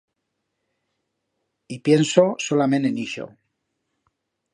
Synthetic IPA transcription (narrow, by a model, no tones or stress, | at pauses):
ipje̞nsosolamẽ̞neniʃo̰